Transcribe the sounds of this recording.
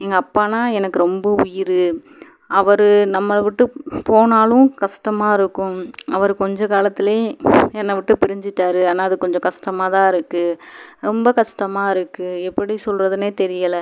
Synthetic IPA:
ɛŋɡɐːpːaːnaːɛnɐkːɯɾɔmbɐʊjɪɾɯ | ʔɐʋɐɾɯnɐmːɐʋɪʈːɯpoːnaːlʊ̃kɐʂʈɐmaːɪɾɯkːʊ̃ɐʋɐɾɯkɔɲd͡ʒɔ̃kaːlɐt̪ːɪleːɛnːɐʋɪʈːɯpɪɾɪɲd͡ʒɪʈːaːɾɯɐːnaːɐðɯkɔɲd͡ʒɔ̃kɐʂʈɐmaːt̪ãːɪɾɯkːɯɾɔmbɐkɐʂʈɐmaːɪɾɯkːɯɛpːɐɽisɔlɾɐðɯneːt̪ɛɾɪjɐlɐ

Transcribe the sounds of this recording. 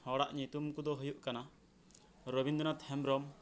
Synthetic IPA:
hɔɽa̰ʔɲit̪umkud̪ɔɦujuʔkana | ɾɔbind̪ɔnat̪ʰhɛmɾɔm

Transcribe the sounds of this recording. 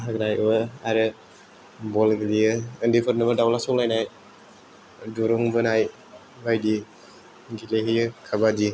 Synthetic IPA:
ɦaɡɾajʔaɾɯ | bɔlɡɯlijɯɯndipʰɯɾnɯbɯdawlasɔŋlajnaj | duɾuŋbɯnaj | bajdi | ɡileɦijɯkʰabadi

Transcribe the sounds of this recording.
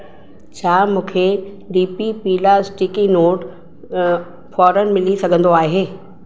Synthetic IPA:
t͡ɕʰaːmũːkʰe | ɖiːpipiːlazʈɪkinoːʈ | fɔːɾənmɪlisɐɡʱə̃nd̪oaːɦeː

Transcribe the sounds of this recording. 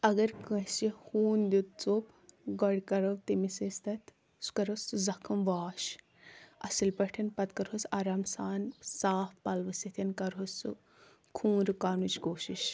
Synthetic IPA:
ɐɡɐɾkɐsihuːnd̪ut̪t͡sop | ɡɐɽʲkɐɾɐwt̪imisist̪ɐt̪ | su̥kɐɾosuzɐkʰɐmʋaːʃ | ɐsilpɐʈʰɐnpɐt̪kɐɾɦosaːɾaːmsaːnsaːfpɐlʋɐsit̪ʰɐnkɐɾɦost͡su | kʰũːnɾɨkaːnut͡ʃkoːʃiʃ

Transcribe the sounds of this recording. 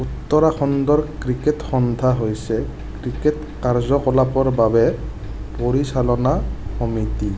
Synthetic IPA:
ut̪ːɔɹaxɔndɔɹkɹiketxɔnd̪ʱaɦojsɛ | kɹiket | kaɹzɔkɔlapɔɹbabɛ | poɹisalɔnakɔmiti

